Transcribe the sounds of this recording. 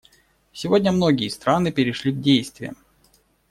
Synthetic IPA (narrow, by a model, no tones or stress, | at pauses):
sʲɪvodʲnʲəmno̞ɡʲɪjəst̪ɾanɨpʲɪɾʲɪʂlʲiɡdʲejst̪vʲɪjə̰